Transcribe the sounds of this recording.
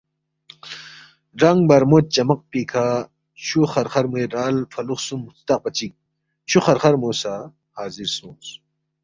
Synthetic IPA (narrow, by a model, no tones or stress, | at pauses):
ɾɐŋɡbɐɾmoːt̪̚t͡ɕɐmɐq̚piːkʰa | t͡ɕʰuχɐɾχɐɾmueɾaːlfʰɐluxsumːust̪ɐq̚pɐt͡ɕik̚ | t͡ɕʰuxɐɾχɐɾmoːsa | haːziɾsõːns